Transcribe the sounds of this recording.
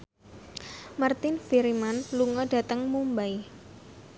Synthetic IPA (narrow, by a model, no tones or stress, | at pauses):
mart̪ɪnfiɾimanluŋɔda̤t̪əŋmumbaj